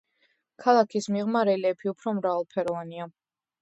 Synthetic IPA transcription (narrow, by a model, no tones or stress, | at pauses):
kʰalˠakʰismiʁmaɾɛlɛpʰiupʰɾɔmɾavalˠpʰɛɾɔvania